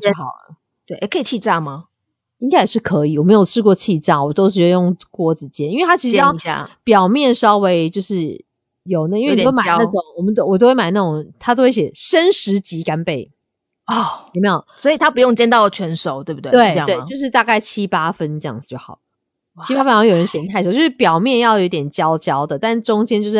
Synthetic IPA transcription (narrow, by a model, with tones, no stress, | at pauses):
ɛ˥xɑ˨˩ʊlə̰˦ | t̪we˥˩ɪʔe˥˩kʰə˧˥i˨˩t͡ɕʰi˥˧ʈ͡ʂɑ˥˩ma˩ | i˥ŋka˥jʂɻ̩˥˩kʰɤ˧˦i˨˩wɔ˨˩me˧˥ɪjo˨˩ʊʈ͡ʂʰɻ̩˥kwɔ˥˧t͡ɕʰi˥˧ʈ͡ʂɑ˥˩wɔ˨˩t̪o˥ʊʂ̬̩˥˧˩jjo˥˩ŋkwɔ˥˩d͡zɹ̩˨˩t͡ɕjɛ˥ni˥nwe˥˧t̪ʰa˥t͡ɕʰi˧˥ʂɻa̰˥˩pjɑ˨˩ʊmjɛ˥˩nʂɑ˥ʊwe˧˥ɪt͡ɕjo˥˧ʊʂɻ̩˥˩ | jo˨˩ʊna˥˩i˥we˥˩˨t̪o˥ma˨˥a˥˩ʈ͡ʂo˨˩˦ŋwɔ˨˩mə˦˥wɔ˨˩o˥ʊwe˥˩ma˨˩ɪna˥˩ʈ͡ʂo˨˩ŋt̪ʰa˥t̪o˥xwe˥˩ɪɕjɛ˨˩ʂə˦˥nʂɻ̩˧˥t͡ɕi˧˥ka˥npe˥˩ɪ | ɔ˥˩jme˧˥jo˨˩ʊswɔ˧˥i˨˩t̪ʰa˥pu˧˦jo˥˨ŋt͡ɕjɛ˥˧nt̪ɑ˥˧ʊlə˩t͡ɕʰɥɛ˧˥nʂo˨˩ʊt̪we˥˩ɪbu˩t̪ːwe˥ɪ˧˥t̪we˥˩ɪt͡ɕo˥˧ʊʂɻ̩˥˧t̪a˥˧ka˥˩ɪt͡ɕʰi˥pa˥fə˦nʈ͡ʂɤ˥˧jɑ̰˥˩ŋd͡z̩˩t͡ɕjo˥˩ʊxɑ˨˩ʊlə˦ | t͡ɕʰi˥pa˥fə˥n˨˧˥jo˨˩ɻə˦nɕjɛ˨˧˩nt̪ʰa˥˩ɪʂo˨˩t͡ɕjo˥˩ʂ̩˥˩pjɑ˨˩ʊmjɛ˥˧njɑ˥˩ʊjo˨˧˥t̪jɛ˨˩nt͡ɕjɑ˦˥ʊt͡ɕjɑ˥ʊd̪ə˨t̪a˥˧nʈ͡ʂʊ˥ŋt͡ɕjɛ˥nt͡ɕjo˧ʂɻ